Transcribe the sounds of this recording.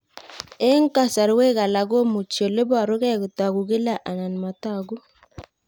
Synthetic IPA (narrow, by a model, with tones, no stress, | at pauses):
e˦ŋ˦ka˨sa˨ɾwe˦ka˨la˨ɡo˦mu˨t͡ʃjo˨le˦ba˨ɾo˦ɣɛ˦ku˨ta˨ɡu˨ɡe˦la˨ʔa˨na˨nma˨ta˦˨ɡu˦